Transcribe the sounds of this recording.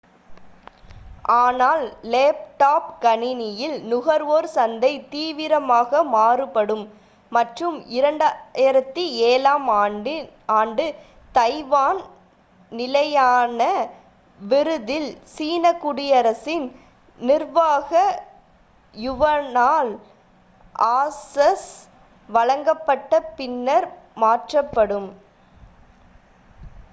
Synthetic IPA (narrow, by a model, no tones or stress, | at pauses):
ʔaːnaːlleːp̚ʈaːpkɐɳɪnɪjɪlnʊɣɐɾʋoːɾsɐnd̪ɐɪt̪iːʋɪɾɐmaːɣɐmaːrɯpɐɽɯmː | ɐʈrɯmɪɾɐɳɖaɪɾɐt̪ːieːlaːm | aːɳɖɯ | t̪ɐɪʋaːn | nɪlɐjaːnɐ | ʋɪɾɯðɪlsiːnɐkːʊɽɪjɐɾɐsɪn | nɪɾʋaːɣɐ | jʊʋɐnaːl | ʔaːsɐs | ʋɐɻɐŋɡɐpːɐʈːɐpɪnːɐɾmaːʈrɐpːɐɽɯm